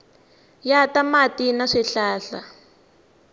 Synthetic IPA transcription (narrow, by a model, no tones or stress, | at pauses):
jatamatinaʂiɬaːɬa̰